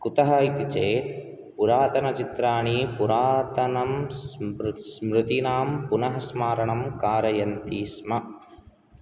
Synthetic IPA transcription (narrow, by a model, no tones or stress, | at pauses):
kut̪ɐɦaːit̪it͡ʃeːt̪ | puɾaːt̪ɐnɐt͡ʃit̪ɾaːɳiːpuɾaːt̪ɐnɐmsɾsmɾɪt̪inaːmpunɐɦɐsmaːɾɐɳɐmkaːɾɐjɐnt̪iːsmɐ